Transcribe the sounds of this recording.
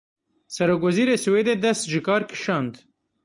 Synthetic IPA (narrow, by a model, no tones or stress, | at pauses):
sɐɾok̬wɐziɾesuwed̪ed̪ɐsd͡ʒikɑːɾki̥ʃɑnd̪